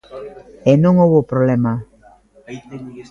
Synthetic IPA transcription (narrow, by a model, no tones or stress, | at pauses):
enõŋoβopɾoβlema